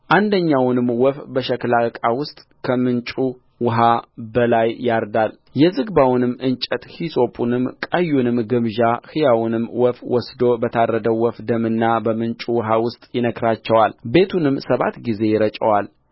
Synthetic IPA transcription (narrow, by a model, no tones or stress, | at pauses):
ʔand̪əɲːawnɨmwɔfbəʃəklakʼawʊst̪ʼ | kʰəmɨnt͡ʃʼu | wʊɦabəlajːaɾd̪al | jɛzɨɡbawnɨmːɨnt͡ʃʼət̪hisʼo̞pʼunɨmkʼəjːunɨmɡɨmʒahɨjawnɨmːwɔfwɔsd̪o̞bət̪ʰaɾːəd̪əwːɔfd̪əmɨnːabəmɨnt͡ʃʼuwʊɦawʊst̪ʼjɪnəkʰɾat͡ʃːɛwalbe̞t̪ʰunɨmːsəβa̰t̪ɡize̞jɪɾət͡ʃʼəwal